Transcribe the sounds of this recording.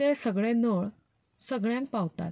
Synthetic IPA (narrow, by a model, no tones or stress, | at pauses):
esəɡɭenoɭ | səɡɭjãŋk̚pawt̪a̰t̪